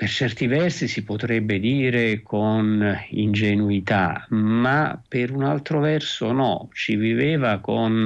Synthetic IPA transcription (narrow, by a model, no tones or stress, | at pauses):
pert͡ʃɛrt̪ivɛrsisipot̪ɾɛbːed̪iːɾekʰonḭnd͡ʒenuit̪a̰mapɪɾunalt̪ɾovɛrsonɔ̰t͡ʃiviveːvakon